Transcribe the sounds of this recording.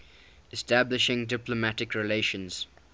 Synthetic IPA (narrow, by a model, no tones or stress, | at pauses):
ɛstæblɪʃɪ̃ŋdɪpləmætɪkɹɪleɪʃə̃nz̥